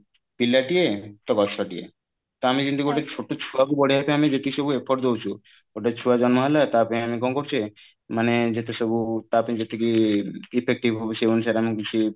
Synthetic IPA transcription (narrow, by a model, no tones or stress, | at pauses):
pilːaʈiet̪ɔkɔt͡ʃʰaʈiḛ | t̪ɔamikint̪ukioʈet͡ʃʰoʈːot͡ʃʰuakubɔɽeɦapẽamid͡ʒeʈiʃɔbuepʰɔʈd̪owt͡ʃʰu | oʈet͡ʃʰuad͡ʒɔnmɔɦalat̪apẽamikɔnkoɾt͡ʃʰe | maned͡ʒet̪esɔbut̪apẽd͡ʒet̪ʰekiipʰek̚ʈibɦobeseunsaɾamĩkit͡ʃʰi